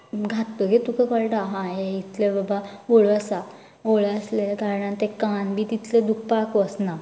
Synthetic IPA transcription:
ɡʱat̪ːəɡet̪ukəkəɭʈaɦãjeit̪ʰlebabaoɭəsa | oɭəsleɡʱaɾɳãnt̪ekanbit̪it̪led̪uk̚ʰpakʋəsna

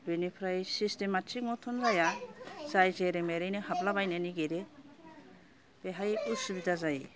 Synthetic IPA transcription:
binipʰɾajsistematʰiŋɔtʰɔnzajazajzeɾemeɾijnɯhap̚labajneniɡeɾe | b̥eɦajusubidazaji

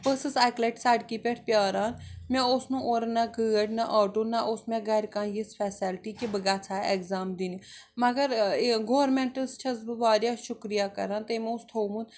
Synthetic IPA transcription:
pəsəsaːkleːʈsaːɖkiːpeʈʰpjaːɾaːnmɛ̃ːʊsnũːʔoːɾnaɡəːəʈnaʔaːʈoːnaʔʊsmɛ̃ːɡɛːɾkãːnjispʰɛːsɪlʈiːkibəɡaːt͡ʃʰaːekzaːmd̪iːniː | məɡəɾɡoːɾmɛ̃ːɳʈəst͡ʃʰɐzbəʋaːɾjaːʃʊkɾijaːkə̰ɾãːnt̪eːmɛ̃ʊst̪ʰoːmũ

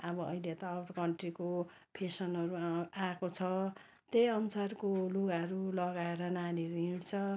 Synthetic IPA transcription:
ʌbʌʌ̰ilet̪ʌːwʈkʌɳʈriko | pʰesʌnʌɾuakot͡sʰʌ | t̪ejʌnusarkoloɡaɦʌɾulʌɡaeɾʌnaniʌɾuĩɽt͡sʰʌ

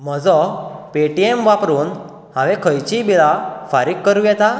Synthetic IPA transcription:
məd͡zɔpeʈiemʋapɾuːn | hãʋekʰəjt͡ɕibilafaɾikkːəɾujɛt̪a

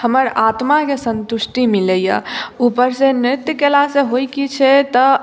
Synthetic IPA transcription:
həməɾat̪makesənt̪uʃʈimiləja̰upəɾsenɾɪt̪jəkelaseɦojkit͡ʃʰɛt̪ə

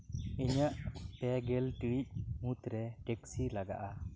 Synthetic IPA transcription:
iɲaʔpɛɡɛlʈiic̚mut̪ɾɛʈɛksilaɡa̰ʔa

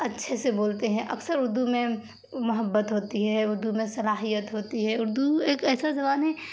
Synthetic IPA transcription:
ɐtːʃʰeseboːlt̪eɦɛ̃ʔɐksəɾʊɾd̪umẽ | mʊɦəbːət̪ɦoːt̪iɦɛʊɾd̪umẽsɐlaːɦijət̪ɦoːt̪iɦɛʊɾd̪ueːkɛːsazɐbaːnɦɛ

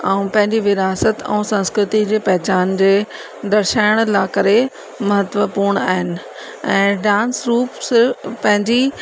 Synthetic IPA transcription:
aũpɐ̃ɦɪ̃ɲd͡ʑiʋɪɾaːsət̪ɛ̰̃ːsɐ̃nskɾɪt̪id͡ʑeːpɛɦɪt͡ɕaːnd͡ʑeː | d̪ɐɾʃaːɪɽ̃laːkɐɾe | mɐɦət̪ʋəpuːɾɽ̃a̰ːɦɪnɪ̆ | ɛ̃ːɖãːnsɾuːpspɐ̃ɦɪ̃ɲd͡ʑi

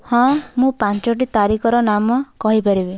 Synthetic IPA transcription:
hɔ̃mũpãnt͡ʃɔʈ̬it̪aɾikʰɔɾɔnamɔkɔɦipaɾibi

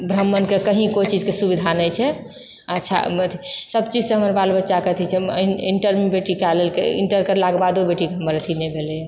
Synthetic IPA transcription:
bʱɾəmːənkekəɦĩkojt͡ʃid͡ʒkesubid̪ʱanəjt͡ʃʰɛ | ətːʃʰa̰ət̪ʰisəbt͡ʃid͡ʒsẽɦəməɾbalbətːʃaket̪ʰit͡ʃʰɛiɳʈəɾmebeʈikalelkḛḭɳʈəɾkəɾlaɡbad̪ubeʈikeɦəməɾət̪ʰinɛbʱelj

